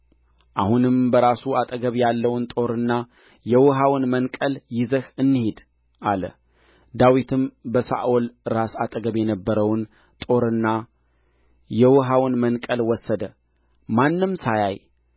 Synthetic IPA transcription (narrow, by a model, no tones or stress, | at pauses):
ʔahunɨmbəɾasuat̪ʼəɡəβjalːəwnt̪ʼo̞ɾɨnːa | jɛwɨɦawnmənkʼəljɪzəhɨnːɨhed̪ | ʔalə̰ | d̪awit̪ʰɨmbəsa̰ʔolɾasat̪ʼəɡəβjɛnəbːəɾəwn | t̪ʼo̞ɾɨnːa | jɛwʊɦawnmənkʼəlwɔsːəd̪ə | manːɨmsajaj